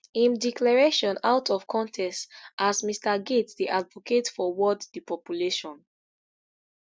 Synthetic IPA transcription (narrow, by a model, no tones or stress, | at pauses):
ĩndiklɛɹeʃɔ̃nawtʰɔv̥kʰɔ̃ntʰɛstasmistaɡetdiʔadvɔketfɔwɔddipɔpjuleʃɔ̃n